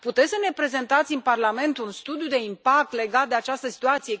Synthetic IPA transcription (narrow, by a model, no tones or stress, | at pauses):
put̪et̪sʲsəne̞pɾe̞ze̞nt̪at̪sʲɨnparlame̞nt̪unst̪ud̪ijud̪e̞impak̚t̪le̞ɡat̪̚d̪e̞at͡ʃast̪əsi̥t̪uat̪sije̞